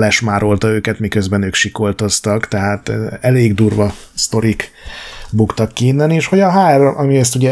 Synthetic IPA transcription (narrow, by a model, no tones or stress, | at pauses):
lɛʃmaːɾo̞lt̪ɒøːkɛt̪mikø̞zbɛnøːkʃiko̞lt̪o̞st̪ɒkt̪ɛɦaːt̪ɛleːɡd̪uːrvɒ | st̪o̞ɾik | bukt̪ɒkːiːnːɛneːʃho̞ɟɒɦaːɛrʔɒmiɛst̪uɟɛ